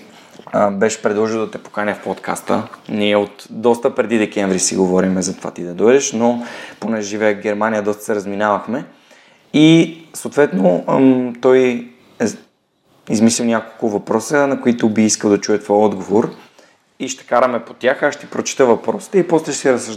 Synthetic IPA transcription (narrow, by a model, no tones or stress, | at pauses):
bɛʃpɾɛd̪lˠɔʒilˠd̪ɐt̪ɛpo̥kanʲɛfpɔt̪ka̰st̪əniɛot̪d̪ɔst̪əpɾɛd̪id̪ɛkɛɱvɾisḭɡovɔɾimɛzɐt̪ova̰t̪id̪ɐd̪ɔjd̪ɛʃnoponɛʒivɛɛɡɛɾmanijəd̪ɔst̪ə̥sɛɾɐzminavɐxmɛ | isoːt̪vɛt̪not̪ɔj | ɛ | izmislilwnʲjakolˠkʊvɐpɾɔsənɐkoit̪ʊbiiskəlˠd̪ɐt͡ʃujɛt̪vɔjɔd̪ɡovoɾ | iʃt̪ɛ̥kaɾəmɛpot̪ʲaxaʃt̪ipɾot͡ʃi̥t̪əvɐpɾɔsi̥t̪ɛipɔslɛʃsiɾəsəʒ